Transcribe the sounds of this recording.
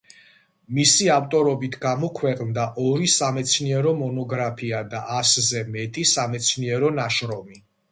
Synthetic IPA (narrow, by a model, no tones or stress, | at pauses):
misiaft̪ʼɔɾɔbit̪ʰɡamɔkʰwɛqʼnd̪aʔɔɾisamɛt̪sʰniɛɾɔmɔnɔɡɾapʰiad̪aʔaszɛmɛt̪ʼisamɛt̪sʰniɛɾɔnaʃɾɔmi